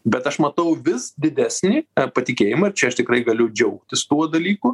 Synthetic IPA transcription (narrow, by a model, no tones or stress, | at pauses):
bʲɛt̪ɐʃmɐt̪ɐʊʋʲɪsd̪ʲɪd̪ʲæːsʲnʲiːpɐt̪ʲɪkʲeːjɪmɐɪɾt͡ʃʲɛɐʃt̪ʲɪkɾɐɪɡɐlʲʊd͡ʒʲɛʊkt̪ʲɪst̪uɔd̪ɐlʲiːkʊ